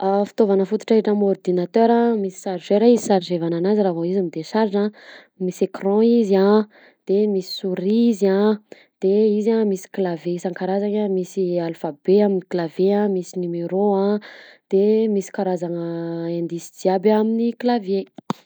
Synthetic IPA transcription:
afi̥t̪ovanəfut̪u̥ʈ͡ʂaiʈ͡ʂamɔrd̪inat̪øɾãmisi̥saɾzeɾaizisaɾizevananaziɾavoizamid̪esaɾʈ͡ʂã | misekrɔ̃izã | d̪̥emisi̥suɾizã | d̪̥eizamisi̥klaveisãŋkaɾazaɲamisialfabeaminiklaveãmisinumeɾoãd̪̥emisi̥kaɾazaŋəẽnd̪isid̪iabaminiklavje

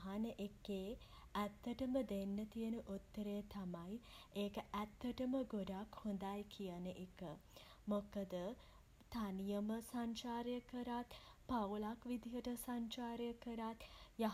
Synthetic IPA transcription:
ɦanəʔekːeː | æt̪ːəʈəməd̪enːət̪ijənəʔut̪ːəɾeːt̪amajeːkəʔæt̪ːəʈəməɡoɖakhond̪ajkʰijənəʔekə | mokəd̪ə | t̪anijəməsaɲt͡ʃaːɾjəkəɾat̪pawlakʋid̪ʱiɦəʈəsaɲt͡ʃaːɾjəkəɾat̪ja

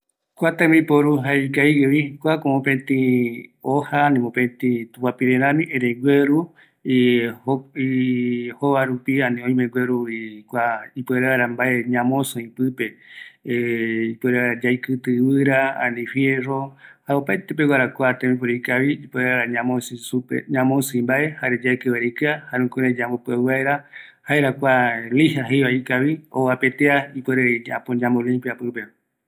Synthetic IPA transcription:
kʷat̪ẽmĩpoɾuɦaikaiɡeβikʷakomõpẽt̪ĩohanĩmõpẽt̪ĩt̪upapiɾenãmĩʔẽɾeɡʷeɾu | ioihoβaɾupiãnĩõĩmẽɡwʷeɾuikʷaipeɾaɾambaeɲãmõsõĩpɨpe | ipeɾaaɾad͡ʒajkɨt̪ɨβɨɾaã̰nĩfjerohaopajt̪ep̬ewaɾakʷat̪ẽmĩp̬oɾeikaβiipeɾeaɾaɲaõsuḛɲãmõsɨĩmbaʔe̞haɾed͡ʒajkɨβaɾikɨahaɾeũkoɾed͡ʒãmbopɨaɨβaeɾahaeɾakʷalihaɦejβaikaβioapet̪eaipweɾea̰põd͡ʒãmbolĩmpjapɨpe

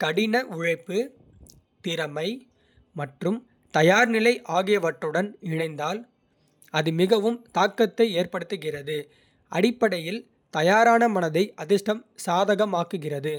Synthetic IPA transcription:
kɐɽɪnɐʔʊɻɐɪpːɯ | t̪ɪɾɐmɐɪ | mɐʈrɯm | t̪ɐjaːɾnɪlɐɪʔaːɣɪjɐʋɐʈːɯɽɐnɪɳɐɪnd̪aːl | ɐðɯmɪɣɐʋɯmt̪aːkːɐt̪ːɐɪeːɾpɐɽɯt̪ːɯɣɪrɐðɯ | ʔɐ̰ɽɪpːɐɽɐjɪl | t̪ɐjaːɾaːnɐmɐnɐðɐɪʔɐðɪsʈɐmsaːðɐɣɐmaːkɯɣɪrɐðɯ

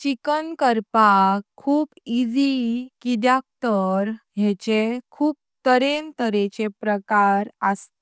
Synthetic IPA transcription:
t͡ɕikənkəɾpakʰːuːpid͡ʑikid̪jak̚t̪əɾɦjɛt͡ɕekʰuːp̚t̪əɾent̪əɾet͡ɕepɾəkaɾəst̪

